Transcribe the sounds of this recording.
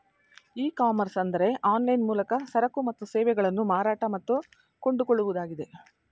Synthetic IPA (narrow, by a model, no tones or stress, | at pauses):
iːkaːmɐɾsɐnd̪ɐɾe̞ʔaːnlɐjnmuːlɐkɐsɐɾɐkumɐt̪ːusɛːʋɛɡɐɭɐnːumaːɾaːʈɐmɐt̪ːu | ko̞ɳɖuko̞ɭːuʋud̪aːɡid̪e̞